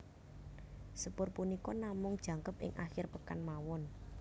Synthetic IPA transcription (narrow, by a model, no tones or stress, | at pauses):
səpʊrpunikɔnamʊŋd̥ʒ̥ä̤ŋkəpɪ̰ŋʔa̰xɪrpəkanmawɔn